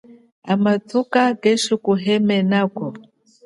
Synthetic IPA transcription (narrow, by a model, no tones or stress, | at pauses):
amatʰukaɡɛʃikuɦɛmɛnakɔ